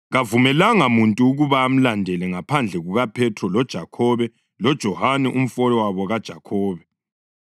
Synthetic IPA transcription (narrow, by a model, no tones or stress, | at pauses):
ɣavumɛlaŋamuntʼuːɣuβaːm̩landʱɛlɛŋapʰand͡ɮʱɛɣuɣapʰɛtʰrɔlɔd̥ʒ̥ʱakʰɔβɛ | lɔd̥ʒ̥ʱɔhanɛʔum̩fɔlɔwaβɔɣad̥ʒ̥ʱakʰɔːβɛ